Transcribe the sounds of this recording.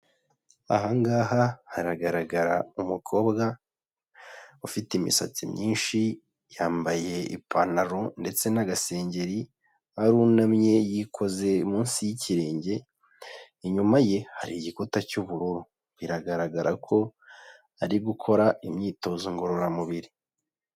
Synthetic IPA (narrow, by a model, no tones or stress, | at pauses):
a̰ɦaŋɡaːɦahaɾaɡaɾaɡaɾaumukʰo̞ːbɡa | ufitimḭsa̰t͡simɲiːnʃi | jaːmbaje̞ḭpʰanaɾonde̞t͡se̞naɡase̞ːɲɟe̞ɾi | haɾuːnamɲe̞jikʰo̞ze̞umuːnsijiciɾe̞ːɲɟe̞ | iɲumaje̞haɾiɟikutacuβuɾuɾu | βiɾaɡaɾaɡaɾʔakʰo̞ | aɾiɡukʰo̞ɾaimɲiːto̞ːzoŋɡo̞ɾo̞ɾamuβiɾi